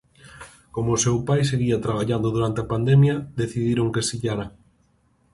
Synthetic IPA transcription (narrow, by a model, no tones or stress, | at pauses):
komoʊːsewpajs̬eɣiɐt̪ɾaβ̞aʎand̪ʊðuɾant̪eɐpand̪ɛmjɐd̪eθiðiɾoŋkesiʎaɾɐ